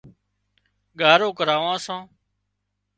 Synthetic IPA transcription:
ɠaːɾoːkəɾaːʋãːsãː

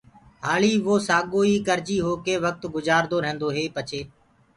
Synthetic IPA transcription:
ɦaːɭiːʋoːsaːɠoːiːkəɾt͡ʃiːɦoːkeːʋək̚t̪ɡʊzaːɾd̪oːɾɦẽːnd̪oːɦeːpət͡ʃʰeː

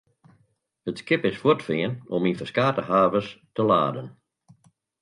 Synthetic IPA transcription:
hətskɪpɪsfwʊtfɪənɔminfəskaːtəhaːvəstəla̰ːdən

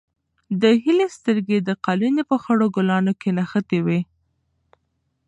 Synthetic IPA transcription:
d̪əɦilest̪əɾɡed̪əqɑlinepəxəɽoɡʊlɑnokʰenaxət̪ewe

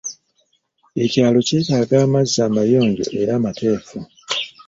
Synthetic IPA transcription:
e̞caːlo̞ce̞ːtaːɡaːmaziːaːmajo̞ːɲɟo̞̰ʔeɾaːmatʰe̞ːfu

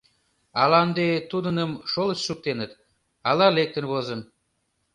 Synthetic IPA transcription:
ɑlɑnd̪et̪ud̪ənəmʃoləsʃuk̚t̪enət̪ | ɑlɑlek̚t̪ənβozə̆n

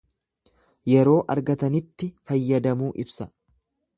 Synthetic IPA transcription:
jɛɾo̞ːʔɐɾɡɐt̪ɐnɪt̪ːɪfɐjːɐd̪ɐmuːʔɪbsɐ

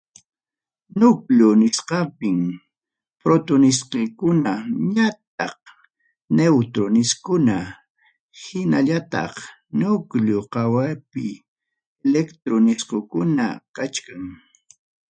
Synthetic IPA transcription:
nʊkʎʊnɪsqɑpɪm | pɾot̪ʊnɪsqekʊnaɲat̪̚ɑ̰χ | newt̪ɾonɪskʊna | hɪnaʎat̪ɑ̰χ | nʊkʎʊqɑwajpɪ | lekt̪ɾonɪsqokʊna̰kat͡ʃkaŋ

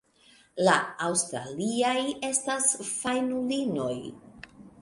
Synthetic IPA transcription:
laawstɾa̰liaje̞stasfajnulino̞j

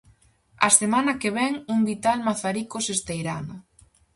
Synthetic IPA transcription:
a̰semanakeβ̞ɛŋumbit̪almaθaɾikosest̪ejɾa̰nʊ

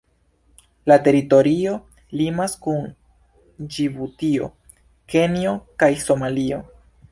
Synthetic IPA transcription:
late̞ɾito̞ɾio̞ | limaskun | d͡ʒibutio̞̰ | ke̞nio̞kajso̞malio̞

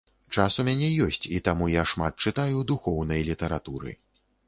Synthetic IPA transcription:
t͡ʂasumʲanʲɛjɔsʲt͡sʲit̪amujaʂmat̪̚t͡ʂɨt̪ajud̪uxɔwnɐjlʲit̪ɐɾat̪uɾɨ̰

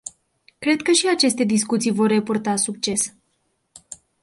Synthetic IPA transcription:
kɾe̞d̪̚kəʃiat͡ʃe̞st̪e̞d̪iskut̪sijvo̞rːe̞purt̪asuk̚t͡ʃe̞s

